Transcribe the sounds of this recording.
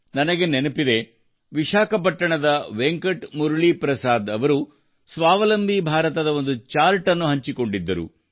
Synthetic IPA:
nɐnɐɡe̞nenupid̪e̞ | ʋiʃaːkɐp̬ɐʈːɐɳɐd̪ɐʋeŋkɐʈmuɾuɭipɾɐsaːd̪ɐʋɐɾu | sʋaːʋɐlɐmbʱibʱaːɾɐt̪ɐd̪ɐo̞nd̪ut͡ʃaːɾʈɐnːuɦɐɲt͡ʃiko̞ɳɖid̪ːɐɾṵ

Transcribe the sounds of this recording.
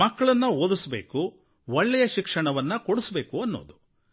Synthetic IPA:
mɐkːɐɭɐnːɐoːd̪usbḛːku | ɔɭːɛjɐʃikʂɐɳɐʋɐnːɐkoɽusbe̞ːkuɐnːo̰ːd̪u

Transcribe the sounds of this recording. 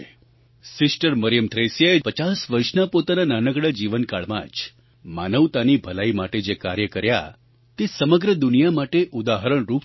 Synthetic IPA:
sɪsʈəɾməɾjəmt̪ʰɾesjaepət͡ʃasʋəɾʃnapot̪anananəɡɽad͡ʒiʋənkaɭma̰d͡ʒ | manəʋt̪anibʱəlaimaʈed͡ʒekaɾjəkəɾja̰ | t̪esəməɡɾəd̪unijamaʈeʔud̪aɦəɾəɳ̃ɾup

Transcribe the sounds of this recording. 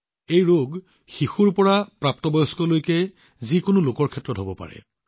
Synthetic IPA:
ejɹoɡ | xixuɹpɔɹapɹap̚tɔbɔjɔskɔlojkɛ | zikʊnʊlʊkɔɹkʰɛtːɹɔtɦobɔpa̰ɹɛ̰

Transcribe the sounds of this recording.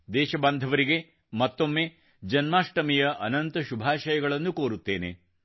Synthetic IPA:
d̪ɛːʃɐbɐnd̪ʱɐʋɐɾiɡe̞ | mɐt̪ːomːe | d͡ʒɐnmaːʂʈɐmijɐʔɐnɐnt̪ɐʃubʱaːʃɐjɐɡɐɭɐnːukoːɾut̪ːe̞ːnḛ

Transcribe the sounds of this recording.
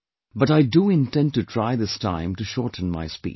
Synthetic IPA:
bʌɾaɪduɪ̃ntɛ̃nd̚tutʰɹaɪd̪ɪstʰã̰ɪ̃mtuʃɔːɹtn̩ma̰ɪspḭː

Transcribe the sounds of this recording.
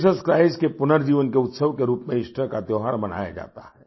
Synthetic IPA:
səskɾaːɪzkepʊnəɾd͡ʒiːʋənkeʊt̪səʋkeɾuːpmẽɪʃʈʰəkat̪joːɦaːɽmɐn̤a̰ːja̰d͡ʒa̰ːt̪a̰ɦɛː

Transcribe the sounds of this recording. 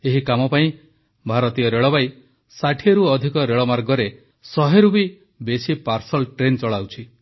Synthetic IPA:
eɦikamɔpaĩ | bʱaɾɔt̪ijɔɾeɭɔbaj | saʈʰieɾuɔd̪ʱikɔɾeɭɔmaɾɡɔɾe | sɔɦeɾubi | besipaɾsɔlʈɾent͡ʃɔɭawt͡ʃʰi

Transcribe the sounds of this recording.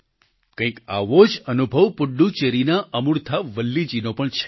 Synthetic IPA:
kə̃ĩka̰ʋod͡ʒənubʱəʋpʊɖːut͡ʃeɾinaʔəmuɾt̪ʰaʋəlːid͡ʒinopəɳt͡ʃʰɛ̥

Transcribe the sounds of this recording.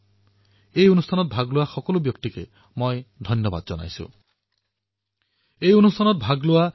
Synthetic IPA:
ejunust̪ʰanɔt̪̚bʱaɡloaxɔkɔlubjɔk̚t̪ike | mojd̪ʱɔnjɔba̰d̪ɔd͡ʒɔna̰jsṵ | ejunust̪ʰanɔt̪̚bʱaɡloa

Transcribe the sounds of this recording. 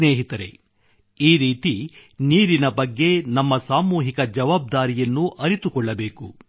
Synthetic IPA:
neːɦit̪ɐɾe̞̰ | iːɾiːt̪i | niːɾinɐbɐɡːe̞nɐmːɐsaːmuːɦikɐd͡ʒɐʋaːb̚d̪aːɾijɐnːuʔɐɾit̪ukɔɭːɐbe̞ːku

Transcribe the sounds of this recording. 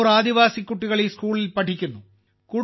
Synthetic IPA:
ɾaːd̪iʋaːsikʲːuʈːiɣɐɭiskuːɭilpɐʈʰikʲːunːu | ku

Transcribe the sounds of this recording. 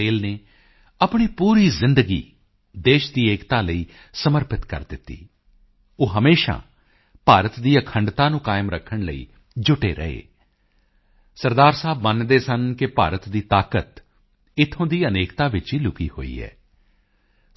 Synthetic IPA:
eːlneː | əpɳ̃iːpuːɾiːzɪ̃nd̪əɡḭː | d̪eːʃd̪iːeːkt̪aːləiː | səməɾpɪt̪kə̰ɾd̪ɪt̪ːḭː | oːɦəmeːʃa̰ː | paːɾət̪d̪iːəkʰəɳɖt̪aːnũːkaːɪmɾəkʰːəɳlə̰ḭː | d͡ʒʊʈeːɾə̰ḛː | səɾd̪aːɾsaːbmənd̪eːsənkɪpaːɾət̪d̪iːt̪aːkət̪ | ɪt̪ʰõːd̪iːəneːkt̪aːʋɪt͡ʃiːlʊkiːho̰ːḭːɛ̰ː

